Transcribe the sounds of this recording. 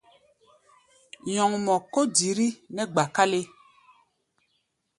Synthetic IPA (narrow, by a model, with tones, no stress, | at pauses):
ɲɔ̃˨ŋmɔ̃˨ko˦di˨˦ɾi˦nɛ̃˦ɡ͡ba˨ka˦le˦